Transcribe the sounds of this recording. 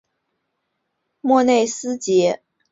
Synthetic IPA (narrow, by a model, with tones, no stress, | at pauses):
mwɔ˥˧ne˥˩ɪsɹ̩˥t͡ɕjɛ˧˥